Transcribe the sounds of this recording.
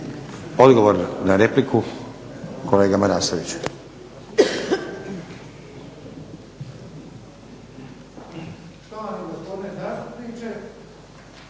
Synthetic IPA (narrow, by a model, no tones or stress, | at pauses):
o̞d̪ɡo̞ʋoɾnaɾepliku | kʰole̞ːɡamaɾaːsoʋit͡ɕ | ʃt̪oʋamiɡospod̪inezaːst̪upnit͡ʃe